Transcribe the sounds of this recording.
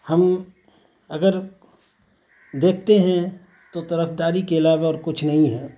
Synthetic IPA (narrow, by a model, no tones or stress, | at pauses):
hɐm | ɐɡəɾ | d̪eːk̚ʰt̪eɦɛ̃ | t̪ot̪ɐɾəfd̪aːɾikeɪlaːʋaɔːɾkʊt͡ʃʰnɐɦĩɦɛː